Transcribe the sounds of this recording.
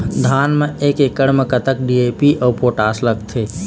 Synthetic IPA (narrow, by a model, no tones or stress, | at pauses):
d̪ʱaːnmẽeːkekəɽmekət̪ək̚ɖiepiʔɔːpoːʈaːsləɡt̪ʰeː